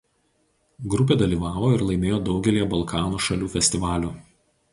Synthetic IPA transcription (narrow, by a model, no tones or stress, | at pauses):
ɡɾʊp̬ʲeːd̪ɐlʲiːʋɑːʋoːɪɾlˠɐɪmʲeːjoːd̪ɒʊɡʲɛlʲiːjɛbɐlˠkʰɑːnuːʃɐlʲuːfʲɛsʲt̪ʲɪʋɑːlʲuː